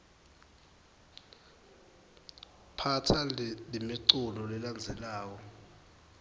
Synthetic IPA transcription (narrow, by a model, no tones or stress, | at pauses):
pʰatʰallimiǀulɔlɛland͡zʱɛlaːk̬ɔ